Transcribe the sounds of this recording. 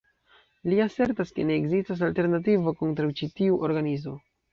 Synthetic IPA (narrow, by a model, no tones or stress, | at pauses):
liase̞ɾtaske̞ne̞ːɡzistas̬alteɾnat̬ivokontɾawt͡ʃitiuʔoɾɡanizmo̞